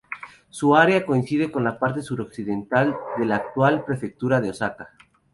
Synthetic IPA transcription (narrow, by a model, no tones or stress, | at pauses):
suaɾeako̞insið̞e̞ko̞nlapaɾt̪e̞suɾo̞ksiðe̞nt̪ald̪e̞laːk̚t̪walpɾe̞fe̞k̚t̪uɾaðeo̞saka